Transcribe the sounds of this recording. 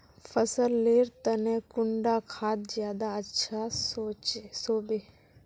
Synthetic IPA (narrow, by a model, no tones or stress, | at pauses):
pʰəsəlːeːɾt̪ənẽkʊɳɖakʰaːt̪zjaːd̪aətːʃʰasoːesoːbeː